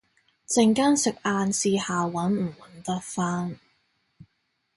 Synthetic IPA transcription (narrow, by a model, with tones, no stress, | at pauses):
t͡sɪ˧ŋkaː˥nsɪ˨k̚ʔaː˧nsiː˧haː˨wɐ˨˥nm̩˨˩wɐ˨˥nt̪ɐ˥t̚faː˥n